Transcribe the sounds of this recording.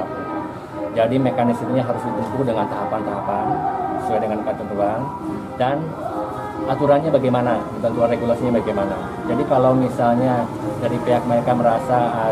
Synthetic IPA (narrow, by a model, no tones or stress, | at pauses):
a | d͡ʒadimekanismɲaɦaɾʊsdit̪uŋkudəŋant̪aɦapant̪aɦapanisuadəŋankat̪ut̪uan | dan | at̪uɾanɲabaɡajmanadibənt̪uanreɡulasiɲabaɡajmana | d͡ʒadikalawmisalɲa | daɾipeɦak̚məɾekaməɾasa